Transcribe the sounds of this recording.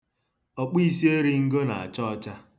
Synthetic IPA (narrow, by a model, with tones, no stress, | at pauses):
ɔ˨k͡pi˦si˦e˦ɾi˦ŋ̩˦ɡo˦na̰˨a̰˨t͡ʃɔ˦ɔ˨t͡ʃa˦